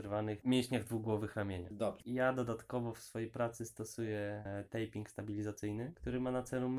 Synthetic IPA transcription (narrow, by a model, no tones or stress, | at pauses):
ɾvanɘxmʲjeɕɲaɣd̪vuɡwɔvɘxɾamʲjeɲa̰d̪ɔbʐjad̪ɔd̪at̪kɔvɔfsfɔjejpɾat̪sɘst̪ɔsujɛt̪ɛjpʲiŋkst̪abʲilʲizat̪sɘjnɘkt̪uɾɘmanat̪sɛlum